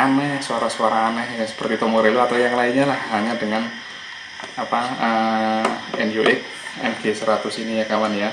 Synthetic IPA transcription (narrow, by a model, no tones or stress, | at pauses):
ʔanɛhsuaɾasuaɾaːnɛhjasə̥pərt̪it̪ɔmoɾeluat̪awjaŋlaiɲalahːaɲadəŋan | apaə | ɛnjuʔɪk̚ | ɛnɡ̥esɾat̪ʊsinijakawanja